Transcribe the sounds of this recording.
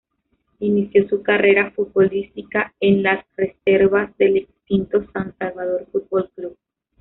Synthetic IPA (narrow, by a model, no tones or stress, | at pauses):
inisjo̞sukare̞ɾafut̪̚bo̞list̪ikaenlasre̞se̞ɾβazðe̞lekst̪int̪o̞sansalβað̞o̞ɾfut̪̚bo̞lkluβ